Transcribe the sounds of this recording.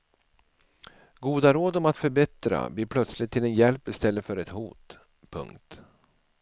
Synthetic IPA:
ɡuːd̪aɾoːd̪ɔmat̪fœɾbɛt̪ɾa̰bliːɾpʰlœt̪slɪt̪ʰːɪlɛnjɛlpːɪst̪ɛlːəfœɾɛt̪huːt̪ | pʰɵ̰ŋkt̪

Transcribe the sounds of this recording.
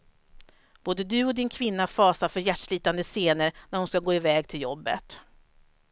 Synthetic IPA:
b̥oːd̪əd̪ɵɔd̪ɪnkʰvɪnːafɑːsafœɾjæʈʂɭiːt̪and̪əseːnəɾnæɾhʊnskaɡoːɪvɛːɡt̪ʰɪljɔbːə̰t̪

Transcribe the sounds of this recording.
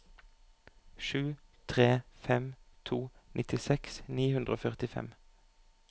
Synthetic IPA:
ʃʉːt̪ʰʁeːfɛmt̪ʰuːnʔɪt̪ɪsɛksniːhʉnd̪ʁəoːfœʁt̪ɪfɛ̰m

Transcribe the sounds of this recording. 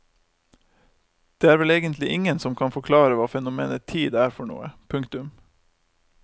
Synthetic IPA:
d̪̥eːæːɾʋɛleːɡənt̪ʰlɪʔɪŋənsɔmkʰɑnfɔkʰlɑːɾəʋɑːfɛnʊmḛːnət̪ʰiːd̪æːɾfɔɳṵːəpʰʉŋkt̪ʉm

